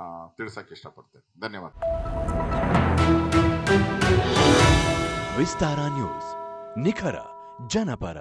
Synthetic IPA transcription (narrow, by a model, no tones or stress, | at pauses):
t̪iɭsakiʂʈapɐɽt̪e | d̪ʱɐnjəʋa̰ːd̪ | ʋist̪aːɾãnjṵːz̥nikʰɐɾɐ̰ | d͡ʒɐnɐpɐ̰ɾɐ̰